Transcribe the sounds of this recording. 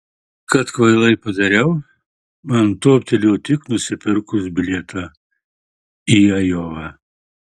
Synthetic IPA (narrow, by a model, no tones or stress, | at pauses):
kɐt̪kʋɐɪlˠɐɪpɐd̪ɐɾʲɛʊ | mɐnt̪oːpʲt̪ʲɛlʲoːt̪ʲɪknʊsʲɪpʲɪɾkʊsbʲɪlʲet̪ʰɑ | iɐjoːʋɑ